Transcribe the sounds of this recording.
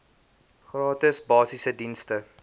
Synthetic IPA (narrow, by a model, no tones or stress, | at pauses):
χrɑːtəsbɑːsisədinstə